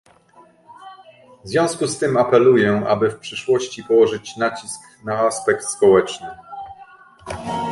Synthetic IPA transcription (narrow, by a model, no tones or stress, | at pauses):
vvzvʲjɔ̃w̃skust̪ɘmapɛlujɛa̰bɘfpʂɘʂwɔɕt͡ɕipɔwɔʐɘt͡ɕnat͡ɕisk | naaspɛkt̪spɔwɛt͡ʂnɘ